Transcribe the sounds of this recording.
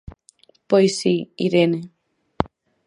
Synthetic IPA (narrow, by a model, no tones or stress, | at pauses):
pojsiiɾene